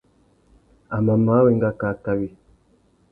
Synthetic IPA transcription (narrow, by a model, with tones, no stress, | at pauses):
a˨ma˨ma˨˦wɛ˦˨ŋ˦ɡa˦ka˨ka˦wi˨